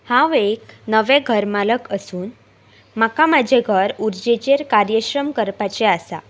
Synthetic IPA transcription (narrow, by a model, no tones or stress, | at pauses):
hãʋeknəʋɛ̃ɡʱəɾmaləkəsuːn | makamad͡ʑʱeɡʱəɾuɾd͡ʑet͡ɕeɾkaɾjəɕɾəmkəɾpat͡ɕeasa